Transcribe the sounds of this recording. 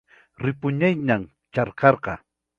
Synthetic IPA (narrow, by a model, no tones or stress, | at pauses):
ɾɪpʊɲajɲam | t͡ʃɑɾqɑɾqɑ